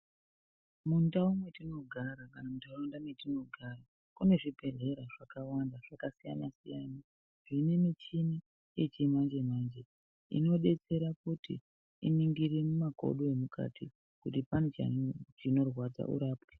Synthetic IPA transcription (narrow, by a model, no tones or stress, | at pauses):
mundaumwetino̞ɡʱaɾakanamuntaaundamwetino̞ɡʱaɾa | kune̞ʐibʱe̞re̞ɾaʐ̥akawandaʐ̥akasija̰nasijana | ʐ̥ine̞mit͡ʃini | et͡ʃimand͡ʒe̞maːnd͡ʒe | ḭno̞ɗe̞t͡se̞ɾakutḭ | ḭniŋɡiremumaɡʱo̞̰ɗoe̞mukʰa̰tʰi | kutipanot͡ʃa̰t͡ʃino̞rwad͡za̰ʔṵɾaːpwi̥